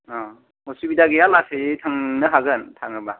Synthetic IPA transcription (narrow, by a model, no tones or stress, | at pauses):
ɔ | mɔsubidaɡejalasetʰaŋnɯɦaɡɯntʰaŋɯba